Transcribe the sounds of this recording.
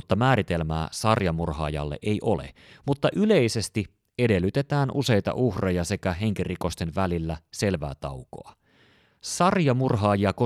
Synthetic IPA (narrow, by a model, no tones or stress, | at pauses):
t̪ːɑmæːɾit̪e̞lmæ̰ːsɑrjɑmurhɑ̰ːjɑ̰lːḛʔejʔolḛ | mut̪ːɑʔyle̞ise̞st̪i | e̞de̞lːyt̪e̞t̪æːnʔuse̞jt̪ɑ̰ʔuhrejɑse̞kæɦe̞ŋk̟iriko̞st̪e̞nʋælilːæse̞lʋæ̰ːt̪ɑuko̞̰ɑ | sɑrjɑmurɦɑːjiɑko